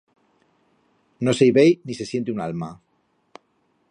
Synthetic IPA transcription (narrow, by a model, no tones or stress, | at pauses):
noseijβejnise̞sjent̪euna̰lma